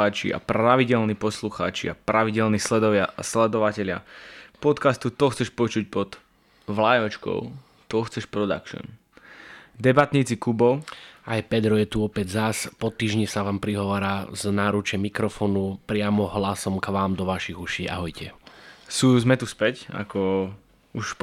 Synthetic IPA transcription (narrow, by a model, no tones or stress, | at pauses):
aːt͡ʃḭa̰pɾaʋiɟɛlniːpɔsluxa̰ːt͡ʃḭa̰pɾaʋiɟɛlniːslɛd̪ɔʋɪa̰slɛd̪ɔʋacɛʎɪa̰pɔt̪kast̪ut̪ɔxt͡sɛʃpɔt͡ʃuc̚pɔd̪̥ | ʋlajɔt͡ʃkɔ̰ʊ | t̪ɔxt͡sɛʃpɾɔd̪a̰kʃɔ̰n | d̪ɛbat̪ɲiːt͡sikubɔʊajpɛd̪ɾɔjɛt̪uɔpɛɟzaspɔt̪ːiːʒɲisaʋaːmpɾiɦɔʋaːɾaːznaːɾut͡ʃɛmikɾɔfɔːnupɾɪamɔɦlasɔmkʋaːmd̪ɔʋaʃiɣuʃiːa̰ɦɔjcɛsuːzmɛt̪uspɛca̰kɔ | uʃ